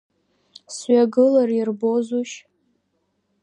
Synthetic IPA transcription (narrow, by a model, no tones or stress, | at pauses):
sɥaɡɨlarirbozuʃ